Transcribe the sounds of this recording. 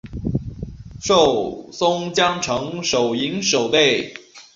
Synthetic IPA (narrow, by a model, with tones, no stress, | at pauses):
ʂo˥˩ʊsʊ˥ŋt͡ɕjɑ˥ŋʈ͡ʂʰɤ˧˥ŋʂo˨˩ʊi˧˥ŋʂo˨˩ʊt̪e˥˩ɪ